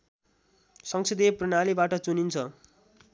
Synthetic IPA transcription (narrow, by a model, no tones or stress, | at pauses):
sʌŋsed̪epronalibaʈʌt͡sunint͡sʰʌ